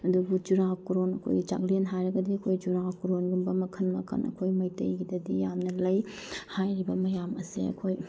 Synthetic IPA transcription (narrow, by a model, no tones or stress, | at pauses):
ɐduɡud͡ʒuɾakuɾonɐ̰kʰo̰jɡid͡ʒa̰klenɦajɾɐɡɐdiɐkʰojd͡ʒuɾakuɾonɡumbɐmɐkʰɐnmɐkʰɐ̰nɐ̰kʰojmɐjtɐjɡidɐdijamnɐlɐjhajɾibɐmɐjamɐsḭɐ̰kʰoj